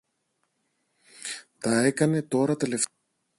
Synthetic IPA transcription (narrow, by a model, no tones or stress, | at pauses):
t̪ɐe̞kɐne̞t̪o̞ɾɐt̪ele̞f